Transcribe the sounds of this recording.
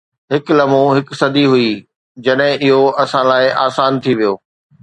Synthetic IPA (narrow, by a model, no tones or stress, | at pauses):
ɦɪklɐmõɦɪksɐd̪ʱiɦʊi | d͡ʑɐɗɦɪ̃ʔɪɦoʔɐsãlaːɪʔaːsaːnt̪ʰiʋijoː